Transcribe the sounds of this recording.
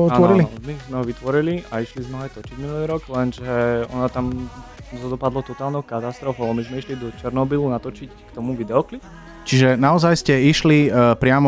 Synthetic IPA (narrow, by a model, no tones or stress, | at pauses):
ɔaɔɾilimizmɛɦɔʋit̪ʋɔɾiliaiʃlizmɛɔajt̪ɔt͡ʃiɟminuliːɾɔɡlɛnʒɛɔ̰nat̪amzɔd̪ɔpad̪lɔt̪ɔt̪aːlnɔʊkat̪ast̪ɾɔfɔaamizmɛiʃlid̪ɔt͡ʃɛɾnɔbilunat̪ɔt͡ʃickt̪ɔmuʋid̪ɛɔklip | t͡ʃiʒɛnaɔzajscɛiʃlipɾɪamɔ